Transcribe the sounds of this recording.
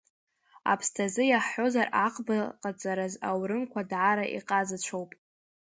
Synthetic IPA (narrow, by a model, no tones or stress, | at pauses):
a̰pʰstʰazɨjaħːo̞zaraqʼbaqʼat͡sʼaɾazawɾɨmkʷʰadʕaɾaʔḭqʼazat͡ʃʷʰowpʼ